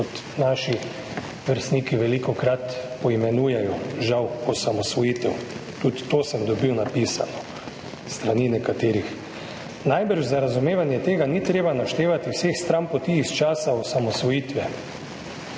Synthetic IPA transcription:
ɔt̪ | naːʃi | ʋəɾst̪niːkiʋɛlikɔkɾat̪pɔimɛnuːjɛjɔʒawɔsamɔsʋɔjiːt̪ɛwt̪ut̪ːoːsəmd̪ɔbiwnapisa̰nɔ | st̪ɾaninɛkat̪eːɾix | najbəɾʒzaɾazumeːʋanjɛt̪eːɡanit̪ɾeːbanaʃt̪eːʋat̪iwsexst̪ɾampɔt̪iːst͡ʃaːsaɔsamɔsʋɔjiːt̪ʋɛ

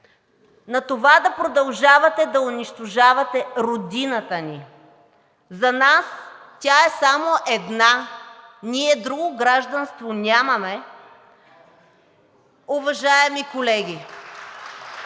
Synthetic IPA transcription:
nɐt̪ovad̪ɐpɾod̪ɐlˠʒavɐt̪ɛd̪ɐʊniʃt̪oʒavɐt̪ɛɾod̪inɐt̪əni | zɐnas | t̪ʲaɛsamoʔɛd̪na | niɛd̪ɾuɡoɡɾaʒd̪ɐnst̪vonʲamɐmɛ | ʊvɐʒaɛmikolɛɡʲi

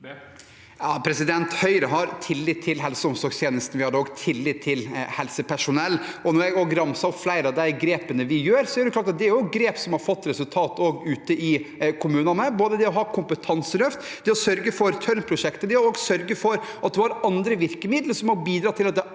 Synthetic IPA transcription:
jɑːpʰɾɛsɪd̪ɛnt̪hœʏɾəɦɑɾt̪ʰɪlːɪtt̪ʰːɪlɦɛlsəɔmsɔɾɡst̪ʰjeːnəst̪n̩ʋɪhɑd̪əoːɡt̪ʰɪlːɪt̪t̪ʰːɪlhɛlsəpʰæʂʊnɛlːɔnɔɾjæɡoːɡɾɑmsɑɔpflæɪɾɑd̪æɪɡɾeːpənəʋɪjøːɾsɔæɾɖ̪ɛkʰlɑːʈ̬ɑt̪d̪ɛæɾjʊɡɾeːpsɔmhɑɾfɔt̪ːɾɛsʉlt̪ʰɑːt̪oːɡʉːt̪əʔɪkʰʊmʉːnɑnəboːd̪əd̪ɛɔɦɑːkʰʊmpət̪ʰɑnsəlœft̪d̪ɛɔsœɾɡəfɔɾt̪ʰœɾnpʰɾʊʂɛkt̪əd̪ɛɑɾoːɡsœɾɡəfɔɾɑt̪̚d̪ɛhɑɾɑnd̪ɾəʋɪɾkəmɪd̪ləʂɔmhɔbiːd̪ɾɑːt̪ʰɪlɑt̪̚d̪ɛ

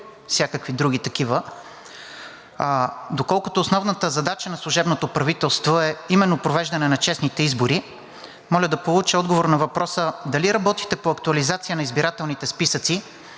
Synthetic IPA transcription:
fsʲjakəkvid̪ɾuɡ̟it̪ɐkivə | d̪okɔlˠkʊt̪oːsnɔvnət̪əzɐd̪at͡ʃənɐslˠuʒɛbnot̪opɾɐvit̪ɛlˠst̪voɛimɛnːopɾovɛʒd̪ɐnɛnɐt͡ʃɛsnit̪ɛizboɾi | mɔlʲəd̪ɐpolˠut͡ʃəɔd̪ɡovoɾnɐvɐpɾɔsəd̪ɐliɾɐbɔt̪it̪ɛpoɐkt̪uɐlizat̪sijənɐizbiɾat̪ɛlˠnit̪ɛspisət̪si

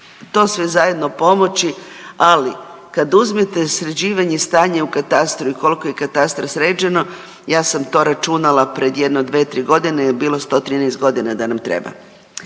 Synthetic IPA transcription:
t̪o̞ːsʋezaje̞d̪no̞po̞mo̞t͡ɕiali | kad̪uzmit̪e̞sɾed͡ʑiːʋaɲest̪aːɲe̞ukat̪ast̪ɾuiko̞likojekat̪ast̪ɾosɾe̞ːd͡ʑeno̞ | jaːsamt̪o̞ɾat͡ʃunalapɾe̞d̪je̞d̪neod̪ʋet̪ɾiːɡo̞d̪inejebiːlˠo̞st̪o̞t̪ɾiːnɛst̪̚ɡo̞d̪inad̪anamt̪ɾḛba̰

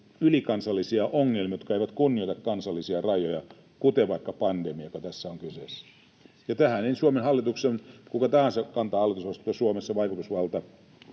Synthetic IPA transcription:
ylikɑnsɑlːisiɑʔoŋːelmijot̪kɑeiʋæt̪kunːioit̪ɑkkɑnsɑlːisiɑrɑjojɑ | kut̪eʋɑikːɑpɑndemiɑkɑt̪æsːæoŋkysesːæ̥ | jɑt̪æhæneinsuomenhɑlːit̪uksenkukɑt̪æhɑnsekɑnt̪ɑːhɑlːit̪usʋɑst̪uːɑsuomesːɑʋɑikut̪usʋɑlt̪ɑ

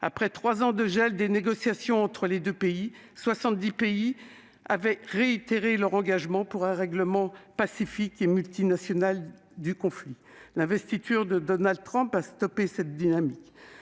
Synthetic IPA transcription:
a̰pχɛt̪χwazɑ̃d̪əʒɛld̪eneɡɔsjasjɔ̃ɑ̃t̪χəled̪øpei | swasɑ̃t̪̚d̪ipei | avɛʁeit̪eʁelœʁɑ̃ɡaʒmɑ̃puʁɛ̃ʁɛɡləmɑ̃pasifikemylt̪inasjɔnal | d̪ykɔ̃fli | lɛ̃vɛst̪it̪ʰyʁd̪əd̪ɔnald̪̚t̪χɔ̃past̪ɔpesɛt̪̚d̪inamik

